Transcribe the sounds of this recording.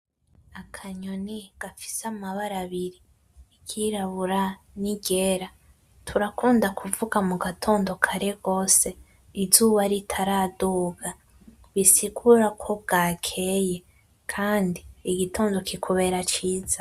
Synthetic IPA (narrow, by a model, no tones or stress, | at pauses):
akʰaɲoniɡ̥afi̥samaβaɾaβiɾi | kʰiɾaβuɾaniɟe̞ɾa | tʰuɾakuːndakʰuvuɡamuɡatʰo̞ːndo̞kʰaɾe̞ɡo̞ːse̞ | izuːβaɾitʰaɾaduːɡa | βisiɡuɾakʰo̞b̚ɡakʰe̞je̞ | kʰaːndiːɡitʰo̞ːndo̞kʰikʰuβe̞ɾat͡ʃiːza